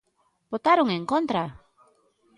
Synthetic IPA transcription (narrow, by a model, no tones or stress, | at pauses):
b̥ot̪aɾuŋeŋkont̪ɾa